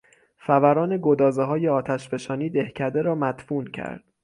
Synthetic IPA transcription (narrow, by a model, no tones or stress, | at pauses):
fævæɾɒːne̞ɡod̪ɒːzeɦɒːjeɒːt̪ʰæʃbe̞ʃɒːniːd̪ehcʰæd̪e̞ɾɒːmæd̪fuːncʰæ̰ɾd̪̥